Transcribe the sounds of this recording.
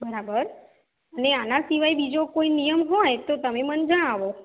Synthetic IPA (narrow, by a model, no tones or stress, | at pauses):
bəɾabəɾ | əneanasiʋajbid͡ʒokoinijəmɦɔjt̪ot̪əmemənd͡ʒəɽ̃aʋo